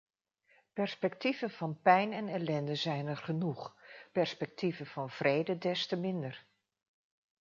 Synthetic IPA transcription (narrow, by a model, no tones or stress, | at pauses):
pɛɹspɛk̚tivənv̥ɑnpɛjnɛnɛlɛndəzɛjnɛɹχənuχpɛɹspɛk̚tivəvɑnv̥rejdədɛstəmɪndəɹ